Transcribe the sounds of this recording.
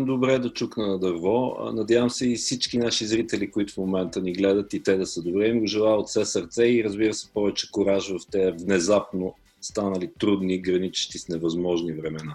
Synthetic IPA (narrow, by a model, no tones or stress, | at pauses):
md̪obɾɛd̪ɐt͡ʃuknənɐd̪ɐɾvɔ̰nɐd̪ʲjavəmsɛifsit͡ʃkinaʃizɾit̪ɛlikʊit̪ʊfmomɛnt̪əniɡlɛd̪ət̪it̪ɛd̪ɐsəd̪obɾɛimɡʊʒɛlˠaot̪sɛsəɾt̪sɛiɾəzbiɾəsɛ̥pɔvɛt͡ʃɛ̥kʊɾaʒvɐft̪ɛəvnɛzapno | st̪anəlit̪ɾud̪niɡɾɐnit͡ʃi̥ʃt̪isnɛvɐzmɔʒnivɾɛmɛna